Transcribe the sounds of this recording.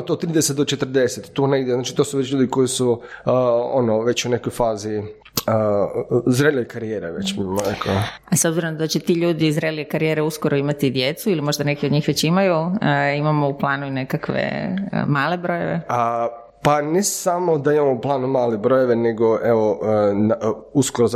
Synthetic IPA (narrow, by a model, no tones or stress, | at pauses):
t̪ot̪t̪ːɾiːd̪eset̪̚d̪ot͡ʃet̪r̩d̪e̞set̪t̪ːoːneɡd̪jeznaːt͡ʃi̥t̪oːsuʋet͡ɕʎuːd̪iko̞jisu | onoʋe̞t͡ɕunekojfaːzi | ə | zɾelʲejkaɾijeːɾeʋḛt͡ɕbimonekoasobziɾonod̪at͡ɕet̪iːʎuːd̪izɾeliekaɾijeɾeuskoɾoimat̪id̪jet̪suilimo̞ʒd̪anekiod̪ɲiːxʋet͡ɕimajuəimamo̞uplˠaːnuine̞kakʋḛmaːle̞bɾoje̞̰ʋeə | panesamo̞d̪aimamouplˠaːnumaːlebɾojeʋe̞neɡoʔeʋonuskoɾoz